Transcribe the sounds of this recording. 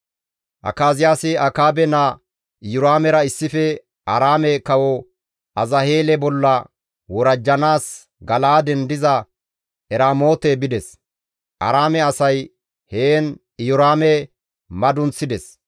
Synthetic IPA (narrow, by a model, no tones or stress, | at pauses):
ʔɐ̰kaːzɪjaːsɪɐkaːbɛna | ʔɪjʊɾaːmɛɾɐɪsːɪfɛ | ʔɐɾaːmɛkɐwɔ | ɐzɐhe̞ːlɛbɔlːɐ | wɔɾɐd͡ʒːɐnaːs | ɡɐlaːd̪ɛnd̪ɪzɐ | ʔɛɾaːmo̞ːt̪ɛbɪd̪ɛs | ʔɐ̰ɾaːmɛɐsɐj | heːn | ɪjʊɾaːmɛ | mɐd̪ʊnt͡sːɪd̪ɛs